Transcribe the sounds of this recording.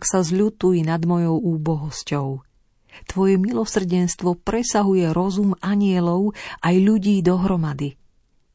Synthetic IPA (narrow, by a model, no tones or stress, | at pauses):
ksazʎut̪ujinad̪mɔjɔʊuːbɔɦɔscɔʊ | t̪ʋɔjɛmilɔsr̩ɟɛnst̪ʋɔpɾɛsaɦujɛɾɔzumaɲɪɛlɔʊʔajʎuɟiːd̪ɔɦɾɔmad̪i